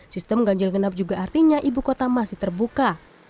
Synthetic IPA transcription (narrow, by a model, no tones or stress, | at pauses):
sist̪əmɡaɲd͡ʒɪlɡənap̚d͡ʒuɡaːrt̪iɲaʔibukot̪amasɪht̪ərbuka